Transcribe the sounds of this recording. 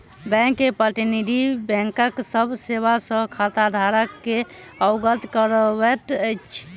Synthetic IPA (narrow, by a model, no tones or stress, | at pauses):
bɛ̃ŋkːepəɾʈiniɖibɛ̃ŋkəksəbʱseβasə̃kʰat̪ad̪ʱaɾəkːe | əʊɡət̪kəɾəbɛt̪ət͡ʃʰ